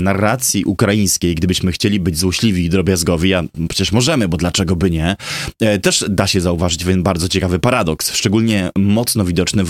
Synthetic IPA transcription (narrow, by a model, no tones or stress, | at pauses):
narːat̪sʲjiʔukɾajĩj̃skʲejɡd̪ɘbɘɕmɘxt͡ɕelʲibɘd͡ʑzwɔɕlʲivʲiːd̪ɾɔbʲjazɡɔvʲiapʂɛ̥t͡ɕɛʂmɔʐɛmɘbɔd̪lat͡ʂɛɡɔbɘɲɛ | t̪ɛʂd̪aɕɛzauvaʐɘt͡ɕvʲɛnbaɾd̪zɔt͡ɕɛkavɘpaɾad̪ɔksʂt͡ʂɛɡulʲɲɛmɔt̪snɔvʲid̪ɔt͡ʂnɘ